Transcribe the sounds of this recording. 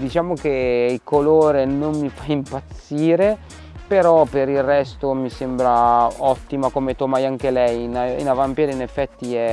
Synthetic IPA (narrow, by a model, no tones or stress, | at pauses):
d̪it͡ʃaːmok̟eilkoloːɾenommifaimpat̪sːiːɾe | peɾɔpeɾilrɛst̪omisembɾaɔt̪ːimakomet̪omajaŋk̟elɛjnaḭnavampjɛːd̪inefːɛt̪ːiɛ